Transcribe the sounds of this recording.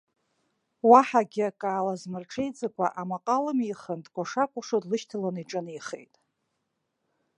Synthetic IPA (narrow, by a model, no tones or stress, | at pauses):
waħaɡʲɪakʼaːlazmɨrʈ͡ʂʰejd͡zʼakʷʰa̰ʔamaqʼalamiχəndɡʷaʂakʷʼʊʂodlɨʃtʰalaniʈ͡ʂʼɨnijχḛjtʼ